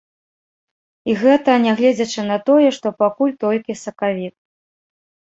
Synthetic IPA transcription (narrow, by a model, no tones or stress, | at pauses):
iɣɛt̪ɐnʲɛɣlʲɛd͡zʲɐt͡ʂɨnɐt̪ɔjɛʂt̪ɔpakulʲt̪ɔlʲkʲisɐkavʲit̪̚